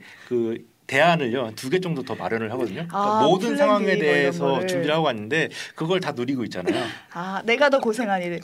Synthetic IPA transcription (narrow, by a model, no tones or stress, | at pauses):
kɯ | te̞anɯɭjotuɡe̞t͡ɕ͈ʌŋdotʌma̰ɾjʌnɯɭɦaɡʌdɯɲokamodɯnsʰaŋɦwaŋe̞de̞ɦesʰʌt͡ɕumbiɯɭɦaɡoanːɯnde̞kɯɡʌɭtanuɾiɡoit̚t͡ɕ͈anajo | ane̞ɡatʌkosʰeŋɦaɲiɾɯ